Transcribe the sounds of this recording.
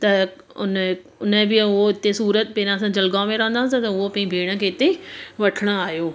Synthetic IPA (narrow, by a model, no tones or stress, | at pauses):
t̪ɐ | ʊn | ʊnəbɪʊɦoɪt̪esuːɾət̪̚peːɾãsãd͡ʑɐlɡamẽɾɐɦə̃nd̪aɦt̪ɐt̪ɐʊɦopɐ̃ĩbʱeːɽ̃ə̆kʰeːɪt̪eʋɐʈʰəɽ̃oaːɦjoː